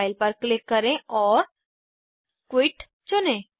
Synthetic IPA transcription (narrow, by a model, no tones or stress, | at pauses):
ɪlpəɾklɪkːəɾẽʔɔːɾ | kwɪʈ | t͡ʃʊnẽː